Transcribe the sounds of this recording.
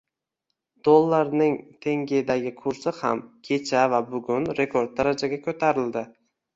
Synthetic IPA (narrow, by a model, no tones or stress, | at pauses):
d̪̥olˠːaɾnɪŋt̪ʰe̞ŋɡʲed̪aɡʲɪkʰʊɾsɪha̰mkʲʰe̞t͡ʃʰavabʊɡʲʊnɾe̞kʰo̞ɾd̪̚d̪aɾad͡ʒaɡʲakʰɵt̪ʰaɾɪld̪ɪ